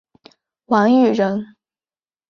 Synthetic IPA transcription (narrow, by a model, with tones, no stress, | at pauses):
wa˧˥ny˨˩ɻə˧˥n